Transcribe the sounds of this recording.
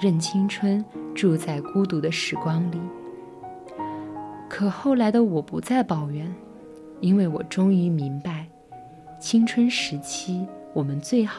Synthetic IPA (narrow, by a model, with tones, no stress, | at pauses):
ɻə˥˩nt͡ɕʰi˥ŋʈ͡ʂʰwə˥nʈ͡ʂu˥˧t͡sa˥˩ɪku˥t̪u˧˥d̪ə˧ʂɻ̩˨˩kwɑ˥ŋli˨˩˦ | kʰɤ˨˩xo˥˩ʊla˧˥ɪd̪ə˧wɔ˨˩pu˧˥t͡sa˥˩ɪpɑ˨˩ʊɥɛ˧˥n | i˥nwe˥˩ɪwɔ˨˩ʈ͡ʂʊ˥ŋy˧˥mi˧˥ŋpa˧ɪ | t͡ɕʰi˥ŋʈ͡ʂʰwə˥nʂɻ̩˧˥t͡ɕʰi˥wɔ˨˩mə˦nt͡swe˥˩ɪx